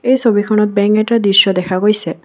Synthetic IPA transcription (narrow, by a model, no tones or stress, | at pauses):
ejsobikʰɔnɔt̪̚bɛŋkɛtad̪isːɔd̪ɛkʰaɡojsɛ